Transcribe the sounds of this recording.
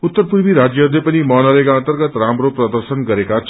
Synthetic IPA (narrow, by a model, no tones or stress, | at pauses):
ut̪ːʌrpuɾbiɾad͡zjʌlepʌnimʌnʌlekaʌnt̪ʌrɡʌt̪ramɾoprʌd̪ʌrsʌnɡʌɾekat͡sʰ